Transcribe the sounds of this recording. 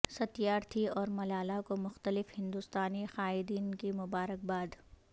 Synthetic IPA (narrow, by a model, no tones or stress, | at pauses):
sɐt̪ijaːɾt̪ʰiɔːɾmɐlaːlakomʊxt̪əlɪfhɪ̃nd̪ust̪aːnixaːɪd̪iːnkimʊbaːɾək̚baːd̪